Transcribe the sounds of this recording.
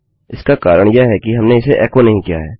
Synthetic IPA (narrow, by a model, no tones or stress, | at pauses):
ɪskakaːɾəɽ̃jəɦɛkiɦɐmneɪseʔɛːkonɐɦĩkija̰ɦɛː